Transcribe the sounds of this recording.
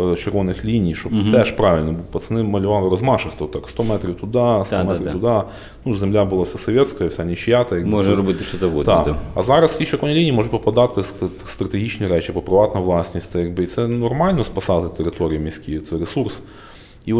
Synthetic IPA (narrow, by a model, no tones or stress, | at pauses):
t͡ɕɪrvonɨxlʲinʲijʂot̪ɛʂpɾavʲɪlʲnəbɨpət̪sɨnɨmɐlʲɪvalˠɨɾɐzmaʂɨst̪vət̪ːakst̪omɛt̪ɾʲɪft̪ʊd̪ast̪omɛt̪ɾt̪ʊd̪a | nuzʲɪmlʲabɨlˠafsʲasɐvʲet̪skəjəfsʲanʲɪɕjat̪əjɡoʐɾɐbɨt̪ɨʂt̪ot̪əɡod̪ad̪ɐ̰zaɾəsʲiɕʲkojnəlʲinʲɪjimoʐɨt̪̚pɐpɐd̪at̪əst̪st̪ɾət̪ɪɣʲit͡ɕnɪjɾʲɛt͡ɕipəpɾɪvat̪nəjvlˠasʲnʲɪsʲt̪ɛjaɡ̚bɨit̪sɛnɐrmalʲnəspɐsaət̪ʲɪɾʲɪt̪oɾʲɪjəmʲɪsʲkʲit̪sɛɾʲɪsurs | io